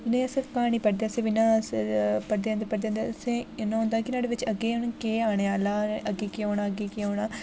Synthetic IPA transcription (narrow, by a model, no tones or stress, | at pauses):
nẽːəsekaːɽ̃iːpəɽd̪eaːsẽːʋɪnãː | pəɽd̪eːãːnd̪eːpəɽd̪ẽːnd̪esẽːɪnãːɦʊ̃ːnd̪aːkɪnaːɽeːʋɪt͡ʃəɡeːʊnkeːaːɽ̃eːaːlaːəɡeːkeoːɽaːəɡeːkeoːnaː